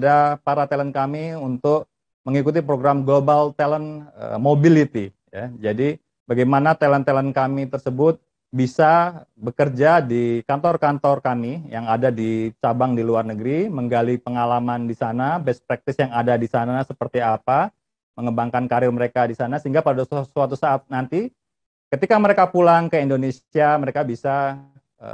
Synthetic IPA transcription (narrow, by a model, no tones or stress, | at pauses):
dapaɾat̪ɛlənkamiunt̪ʊk̚ | məŋikut̪̬ipɾoɡɾamɡlobalt̪ɛlənə̰mobilit̪i | jad͡ʒadi | baɡajmanat̪ɛlənt̪ɛlənkamit̪ərsəbʊt̪̚ | bisa | bəkərd͡ʒadikant̪ɔrkant̪ɔrkamijaŋadadit͡ʃabaŋdiluarnəɡɾiməŋɡalipəŋalamandisanabɛspɾak̚t̪ɪsjaŋadadisanasəpərt̪iapa | məŋəbaŋkankaɾɪrməɾekadisanasəɦiŋɡapadadassuat̪usaːt̪̚nant̪i | kət̪ikaməɾekapulaŋkəindonesiaməɾekabisa | ə̰